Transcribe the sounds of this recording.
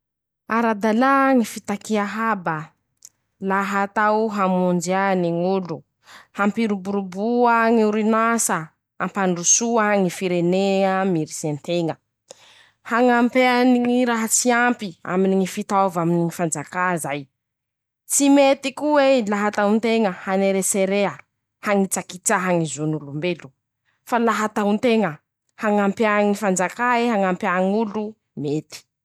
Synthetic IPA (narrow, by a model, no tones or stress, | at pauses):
aɾad̪alaŋifit̪akiaɦaba | laɦat̪awɦamund͡ʒaniŋulu | hampiɾubuɾubuaŋiuɾinasə | ampaɳɖ͡ʐusuaŋifiɾeneamiɾisent̪eŋə | haŋampeaniiɾaɦat͡siampia̰miniŋifit̪avaminiŋifand͡zakazaj | t͡simet̪ikuelaɦat̪aunt̪eŋəhaneɾeseɾeə | haŋit͡sakit͡saɦaŋizonulumbelu̥ | falaɦat̪aunt̪eŋə | haŋampjaŋifand͡zakaeɦaŋampaŋulu | met̪i̥